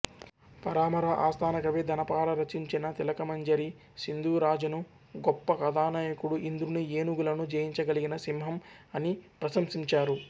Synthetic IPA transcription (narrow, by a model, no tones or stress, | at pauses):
pɐɾaːmɐɾɐʔaːst̪ʰaːnɐɡɐʋeːd̪ɐnɐpaːlɐɾɐt͡ʃiɲt͡ʃinɐt̪ilɐkɐmɐɲd͡ʒɐɾi | sind̪ʱuːɾaːd͡ʒɐnu | ɡɔpːɐkɐd̪aːnaːjɐkuɽuʔind̪ɾunieːnuɡulɐnud͡ʒeːjiɲt͡ʃɐɡɐliɡinɐsimɦɐmɐnipɾɐsɐmsiɲt͡ʃaːɾu